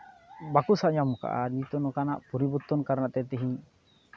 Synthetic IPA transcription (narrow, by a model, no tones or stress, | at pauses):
bakusaʔjamɔka̰ʔa̰ɾit̪ɔnɔkanaʔpɔɾibut̪ːɔnkaɾnaʔt̪ɛt̪ɛɦĩ